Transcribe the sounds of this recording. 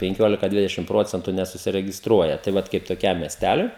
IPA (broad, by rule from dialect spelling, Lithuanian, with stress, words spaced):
pʲɛŋʲˈkʲoːlʲɪkɐ ˈdʲʋʲɪdʲɛʃʲɪm ˈproːt͡sʲɛntʊ nʲɛsʊsʲɪrʲɛɡʲɪsˈtruɔjɛ tɐɪ ˈʋɐt kɐɪp toːˈkʲɛm mʲiɛsʲˈtʲælʲʊɪ